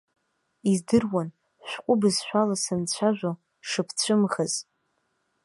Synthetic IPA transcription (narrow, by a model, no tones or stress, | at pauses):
izdɨrwan | ʃʷᶣqʷʼʊbɨzʃᶣʷalasɨnt͡ɕʷʰaʒʷᶣo | ʂɨpʰt͡ɕʷʰɨmχəz̥